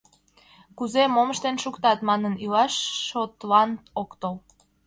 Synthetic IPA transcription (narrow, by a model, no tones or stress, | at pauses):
kuzemoməʃt̪enʃukt̪ɑt̪mɑnənilɑʃːot̪lɑnt̪okt̪ol